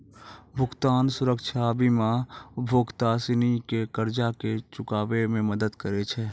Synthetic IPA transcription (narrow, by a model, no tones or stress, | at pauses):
bʱʊkt̪aːnsʊɾəkʃʰabʱimãbʱoːɡt̪asinikekəɾd͡ʒaket͡ʃʊkaːʋemẽməd̪əd̪kəɾet͡ʃʰɛ